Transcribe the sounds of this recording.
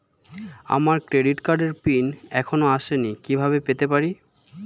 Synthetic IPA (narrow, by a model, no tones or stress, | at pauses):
a̰maɾkɾeɖiʈkaɾɖeɾpinɛkʰonoaʃenikibʱaβepet̪epaɾi